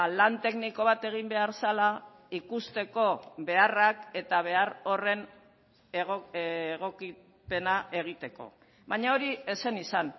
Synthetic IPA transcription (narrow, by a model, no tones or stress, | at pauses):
lant̪e̞kniko̞β̞at̪e̞ɣ̞imbe̞aɾsala | ikust̪e̞ko̞βe̞arake̞t̪aβ̞e̞aɾo̞re̞n | ɣoɣ̞o̞ki | pe̞naʔe̞ɣ̞it̪e̞ko̞̰ | baɲao̞ɾie̞se̞nisan